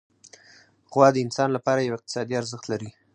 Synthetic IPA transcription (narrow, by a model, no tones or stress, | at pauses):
ɣwɑd̪əɪnsɑnlapɑɾajawɪq̚t̪ɪ̥sɑd̪iaɾzəxt̪laɾi